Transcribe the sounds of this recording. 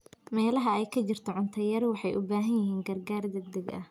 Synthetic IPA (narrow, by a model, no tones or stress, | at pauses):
mɛːlɐɦɐɛjkʰɐt͡ʃɪrt̪ʰɔʕʊnt̪ʰɐjɐɾwɑħɑjʔʊ̰baːɦɐnjɪɦiːŋɡɐrɡaːrd̪ɐɡ̚d̪ɐɡɐ̰h